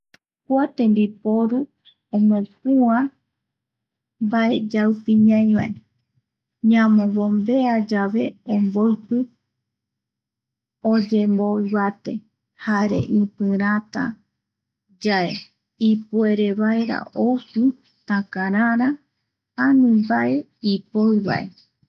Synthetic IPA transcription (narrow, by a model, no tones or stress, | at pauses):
kwat̪embipoɾu | õmopuã | mbaed͡ʒawpĩɲãj̃βae | ɲãmõβombe̞ad͡ʒaβe̞omboɨpɨ | od͡ʒemboiβat̪e̞̰ | haɾḛʔĩpɨ̃ɾat̪a̰ | d͡ʒae | ipueɾeβaeɾa̰ʔowsu | t̪ãkaɾãɾa | anĩmbaʔe | ipoɨβa̰e